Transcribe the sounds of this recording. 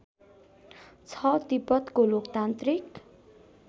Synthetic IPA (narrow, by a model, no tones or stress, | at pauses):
t͡sʰʌt̪ipʌt̪kolokt̪ant̪rik